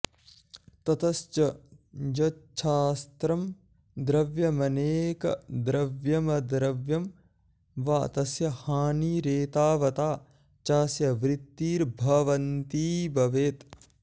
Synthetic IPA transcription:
t̪ɐt̪ɐst͡ʃɐd͡ʒɐt͡ʃʰaːst̪ɾɐm | d̪ɾɐʋjɐmɐneːkɐ̰d̪ɾɐʋjɐmɐd̪ɾɐʋjɐm | ʋa̰ːt̪ɐsjɐhaːniːɾeːt̪aːʋɐt̪aː | t͡ʃaːsjɐʋɾit̪ːiːɾbʱɐʋɐnt̪iːbɐʋeːt̪

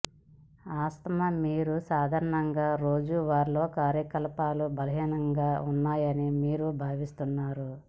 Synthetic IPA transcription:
aːst̪ɐmɐmiːɾusaːd̪ʱaːɾɐɳɐŋɡaːɾoːd͡ʒuʋaːɾlo̞ːkaːɾjɐkɐlɐpaːlubɐlɐɦinɐŋɡaːunːaːjɐnimiːɾubʱaːʋist̪unːaːɾu

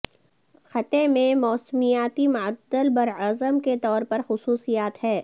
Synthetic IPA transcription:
xɐt̪ẽmẽmɔːsmijaːt̪imʊəd̪ːəlbɐɾɐzəmket̪ɔːɾpɐɾxʊsuːsijaːt̪ɦɛː

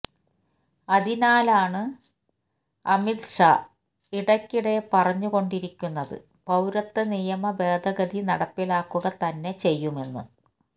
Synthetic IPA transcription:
ɐd̪inaːlaːɳɨ | ɐmit̪ʂa | iɽɐkʲːiɽe̞pɐrɐɲːuɣo̞ɳɖiɾikʲːunːɐðɨ̰ | pɐwɾɐt̪ːɨnijɐmɐbe̞ːd̪ʱɐɡɐd̪inɐɽɐpːilaːkːuɣɐt̪ɐnːe̞t͡ɕe̞jːume̞nːɨ̰

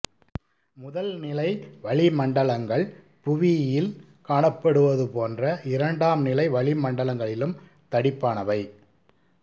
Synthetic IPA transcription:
mʊðɐlnɪlɐɪʋɐɭɪmɐɳɖɐlɐŋɡɐɭ | pʊʋɪjɪl | kaːɳɐpːɐɽɯʋɐðɯpoːndrɐʔɪɾɐɳɖaːmnɪlɐɪʋɐɭɪmɐɳɖɐɭɐŋɡɐɭɪlɯm | t̪ɐɽɪpːaːnɐʋɐɪ

